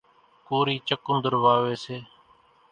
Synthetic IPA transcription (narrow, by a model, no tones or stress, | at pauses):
koːɾiːt͡ʃəkʊnd̪əɾʋaːʋeːseː